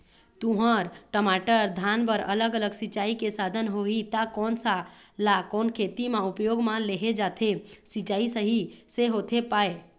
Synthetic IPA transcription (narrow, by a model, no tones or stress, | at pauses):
t̪uɦəɾʈəmaʈəɾd̪ʱanbəɾə̰ləɡələɡsit͡ʃaikesad̪ʱənɦoɦit̪akɔnsalakɔnkʰet̪imeupjoɡmãleɦed͡ʒat̪ʰesit͡ʃaisəɦiseɦot̪ʰepae